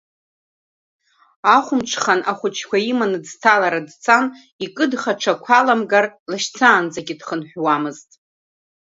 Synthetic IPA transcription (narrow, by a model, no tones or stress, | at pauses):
aχʷʊmʈ͡ʂʰχanʔaχʷʊt͡ʃʰkʷaimanɨd͡ztʰalaɾadt͡sʰan | ikʼɨdχaʈ͡ʂʰakʷʰalamɡarlaʃt͡sʰaːnd͡zaɡʲidχənħʷᶣwamɨztʼ